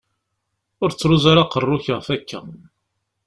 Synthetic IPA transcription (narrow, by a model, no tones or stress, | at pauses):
ʊɾt͡sːɾuzaɾaqərˤːʊçəʁfækʰːæ̰